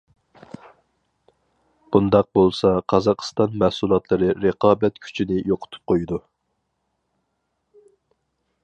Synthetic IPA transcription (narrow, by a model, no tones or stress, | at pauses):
b̥und̪ɑq̚bolˠsɑqʰɑzɑqʰst̪ɑnmæhsulˠɑt̪lˠɨɾɨɾeqʰɑːbɛt̪kʲʰy̥t͡ʃʰinɪjoqʰʊ̥t̪ʰu̥p̚qʰojud̪u